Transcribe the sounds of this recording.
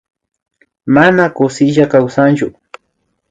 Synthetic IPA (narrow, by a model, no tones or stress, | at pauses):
manakʊsɪʒakawsant͡ʃʊ